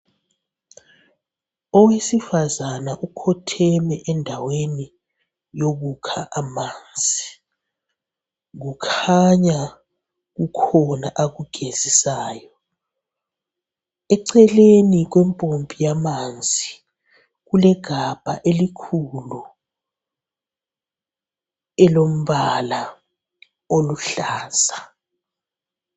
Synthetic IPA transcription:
ɔwesifazanaʔukʰɔtʰɛmɛʔɛndʱaweni | joɣ̬ukʰaʔamaːnd͡zʱi | ŋukʰaɲa | k̬ukʰɔnaʔaɣuɡ̥ʱez̥isaːjɔ | ɛǀɛlenik̬wɛmpʼompʼijamand͡zʱi | kulɛɡ̥ʱab̥ʱa̰ʔelikʰulu | ɛlom̩βala | oluɬaːsa

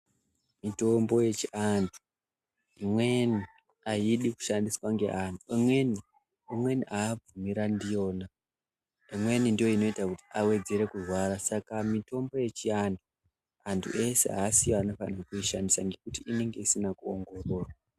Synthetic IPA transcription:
mito̞mbo̞je̞t͡ʃiantʰu̥ | imwe̞ni | aiɗiku̥ʃandiswaŋɡe̞̰ʔan̤uimwe̞ni | imwe̞niʔaːb͡vumiɾandijo̞ːna | imwe̞nindijo̞ino̞itakuti̥awe̞d͡ze̞ɾe̞kurwaɾasakamito̞mbo̞je̞t͡ʃiantʰu | antʰṵʔe̞se̞̰ɦaːsijoano̞fa̰nakuiʃandisaŋɡe̞kutiʔine̞ŋɡe̞isinakuoŋɡo̞ro̞ːrwa

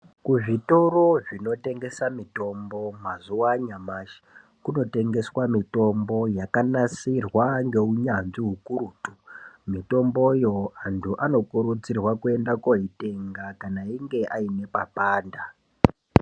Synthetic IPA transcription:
kuʐito̞roʐino̞te̞ŋɡe̞samito̞mbo̞mazuwaɲamaʃi̥ | kuno̞te̞ŋɡe̞swamito̞mbo̞jakanasirwaŋɡe̞uɲanʐiɦukuɾuːtu̥mito̞mbo̞jo̞antʰuʔano̞kuɾut͡sirwakue̞ndakoɦite̞ŋɡakanaiŋɡe̞ʔaine̞papaːnda

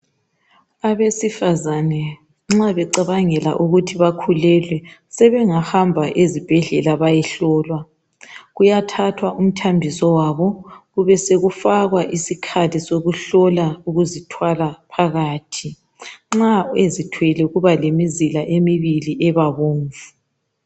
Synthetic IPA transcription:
aβesifazanɛ | ŋ͡ǁaβɛǀaβaŋɛla̰ʔuɣutʰiβakʰulɛlwɛsɛβɛŋahambʱaʔezib̥ʱɛɮɛlaβajɛɬɔːlwa | ɣujatʰatʰwaʔum̩tʰambʱisɔwaβɔɣuβɛseɣufaɣwaʔisikʰatisoɣuɬɔlauɣuzitʰwalapʰaɣaːtʰi | ŋ͡ǁaezitʰwɛlɛɣuβalemizilaʔemiβiliʔɛβaβoːɱvu̥

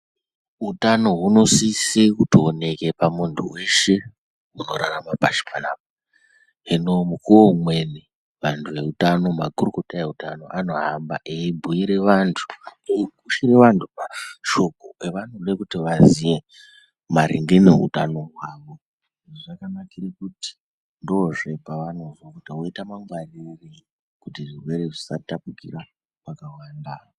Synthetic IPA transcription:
utano̞ɦuno̞sisekutione̞ke̞pamuntʰuwe̞ʃe̞ | uno̞ɾaramapaʃi̥panaːp̚a | ɦenomukuwomwe̞ni | ʋantʰuʋe̞utano̞makuruko̞tae̞utano̞ʔano̞ɦamba̰ʔeibʱuiɾe̞ʋantʰu̥eɡuʃireʋantʰupaʃo̞koeʋan̤ulekutiʋazije̞ | maɾḭŋɡeneɦṵta̰no̞ɦwaːʋo̞ | ʐʐakanakirikuti̥ | ndoʐe̞paʋano̞ʐokutiwoitamaŋɡwariri | kutiʐirwe̞ɾeʐisatapukḭra | pakawandaːo

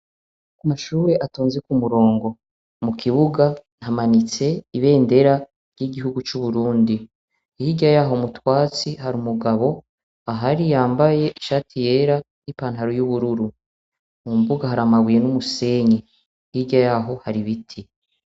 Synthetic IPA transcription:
amaʃuːɾe̞ʔatoːnzekumuɾo̞ːŋɡo̞ | mukʰiβuɡan̥hamanit͡se̞iβe̞ːnde̞ɾa | ɾɟiɡiɦuɡut͡ʃuβuɾuːndi | ihiɟajaːɦo̞mutwaːt͡siɦaɾumuɡaβo̞ | aɦaɾijaːmbaje̞ʔiʃaːtʰije̞ɾa | nipaːnɦaɾojuβuɾuɾu | mbuɡaɦaɾamaβuje̞numuseɲe | ihiɟajaːɦo̞haɾiβitʰi

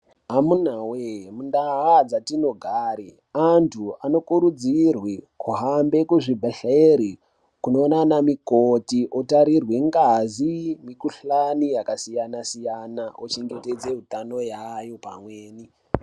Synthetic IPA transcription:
amunawemundaɦad͡zatino̞ɡʱaːɾi | antʰuano̞kuɾud͡zirwikuɦambe̞kuʐibʱaɬeeɾi | kuno̞ːnanamikotiʔotaɾirweŋɡazimikuɬanijakasijanasijanaot͡ʃeŋɡeted͡ze̞ɦutano̞jajopa̰mweːni

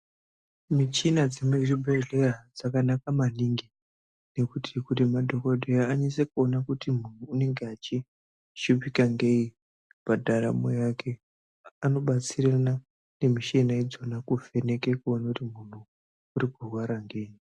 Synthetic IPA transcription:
mit͡ʃinad͡zimeribʱeɮe̞rad͡zakanakamaniŋɡi | ne̞kutʰikutimadʱo̞kodʱejaːɲisekuo̞nakutimun̤uːne̞ŋɡeat͡ʃi | ʃupikaŋɡei | padʱaɾa̰mo̰jakʰe̞ | ano̞ɓat͡sirana | ne̞miʃenaed͡zo̞nakuve̞ne̞kekuo̞nakutimun̤uː | ɾikurwaɾaŋɡeji

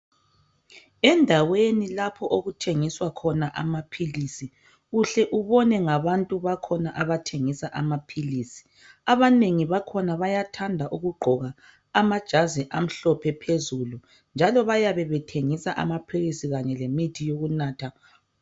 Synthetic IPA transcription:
ɛndʱawenilapʰɔʔoɣutʰeŋiswakʰɔnaʔa̰mapʰilisi | uɬɛʔuβɔnɛŋaβantʼuβakʰɔnaʔaβatʰeŋisaʔamapʰilisi̥ | aβaneŋiβakʰɔnaβajatʰandʱaʔuɣuɡ͡ǃʱɔɣaː | mad̥ʒ̥ʱazɛʔam̩ɬɔpʰɛpʰezulu | nd͡ʒʱalɔβajaβɛβɛtʰeŋisaʔa̰mapʰilisiɣaɲɛlemitʰijoɣunaːtʰa

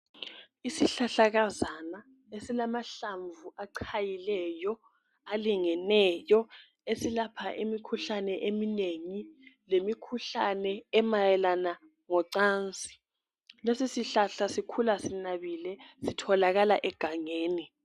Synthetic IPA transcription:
isiɬaɬaɣazana | esilamaɬaɱvuʔaǀʰajilɛjɔ | aliŋɛnɛjɔ | esilapʰaʔemikʰuɬanɛʔemineŋilemikʰuɬanɛːmajɛlana | ŋɔǀaːnt͡sʼi̥ | lesisiɬaɬasikʰulasinaβilɛsitʰɔlaɣalaʔɛɡ̥ʱaŋeːni

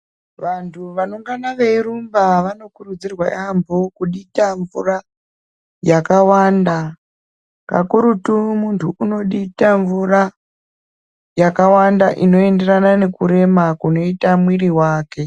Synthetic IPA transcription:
ʋantʰuʋanoŋɡanaʋeirumbaʋano̞kurud͡zirwajambʱokuɗitaɱvura | jakawaːnda | ka̰kuɾutumuntʰuʔuno̞ɗitaɱvura | jakawandaʔino̞e̞nde̞ranane̞kuɾe̞makuno̞itamwiriwaːke̞

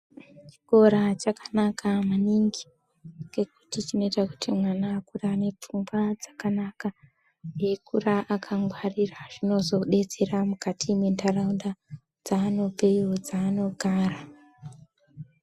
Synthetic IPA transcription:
t͡ʃi̥ko̞ɾat͡ʃakḁnakamaniŋɡi̥ | ke̞ku̥tit͡ʃino̞itaku̥timwanaːkuraːne̞p͡fumɡad͡zḁkanaka | je̞kuraʔakʰaŋɡwariraʐ̥ino̞zo̞ɗe̞t͡se̞ramukatʰimwendaraunda | d͡zaːno̞pe̞iod͡zaːno̞ɡʱaːra

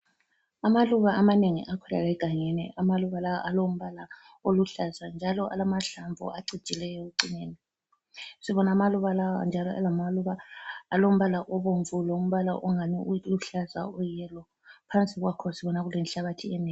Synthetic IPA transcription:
amaluβaʔamaneŋḭʔakʰɛla̰lɛɡ̥ʱaŋenḭʔamaluβalajɔ̰ʔalom̩βala | oluɬazand͡ʒʱalɔʔa̰lamaɬaɱvṵaǀi̥t͡ʃʼilɛjɔuǀineːni | siβɔnamaluβalawa̰nd͡ʒʱalɔa̰lamaluβaːlom̩βalaʔɔβoɱvulɔum̩βala̰ʔɔŋaniʔuluɬaza̰ɔjɛlɔ | pʰant͡sʼiɣwakʰɔsiβɔnaɣulɛnɬaβatʰiɛnɛː

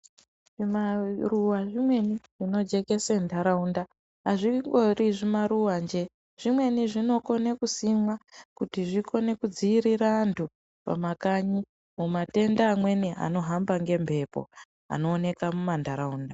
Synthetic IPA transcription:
ʐimaruwaʐimwe̞niʐ̥ino̞d͡ʒe̞ke̞sendʱaɾaundaː | ʐiŋɡoriʐimaɾuwand͡ʒe | ʐ̥imwe̞niʐino̞ko̞ne̞kusimwakutiʐiko̞ne̞kud͡ziːɾiɾantʰu | pa̰makaɲi | mumate̞ndaːmwe̞nia̰no̞ɦambaŋɡe̞mbʱe̞po̞̰ | a̰no̞ːne̞kamumandʱaɾauːnda

